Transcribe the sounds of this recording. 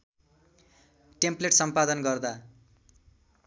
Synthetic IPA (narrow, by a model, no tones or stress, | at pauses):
ʈempleʈsʌmpad̪ʌnɡʌrd̪a